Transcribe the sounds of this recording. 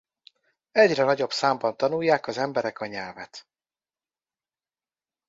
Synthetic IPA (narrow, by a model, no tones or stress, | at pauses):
ɛɟrɛnɒɟo̞psaːmbɒnt̪ɒnujːaːkɒzɛmbɛɾɛkɒɲɛlvɛt̪